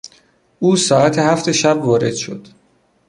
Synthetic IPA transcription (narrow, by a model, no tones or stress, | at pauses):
ʔuːsɒːæt̪ʰehæft̪ʰe̞ʃæbvɒːɾe̞d̪̥ʃo̞̰d̪̥